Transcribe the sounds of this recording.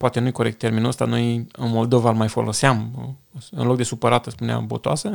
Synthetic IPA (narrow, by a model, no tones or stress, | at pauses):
poat̪e̞nujko̞ɾe̞kt̪ːe̞rminuəst̪ano̞jɨnmo̞ld̪o̞valmajfo̞̰lo̞seam | ɨ̰nlo̞k̚d̪e̞supəɾat̪əspunea̰bo̞̰t̪oasə